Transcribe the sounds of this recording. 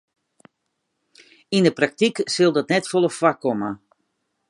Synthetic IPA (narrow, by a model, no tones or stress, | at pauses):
indəprak̚tiksɪlˠdɔtnɛtfɔlˠəfwakːɔmə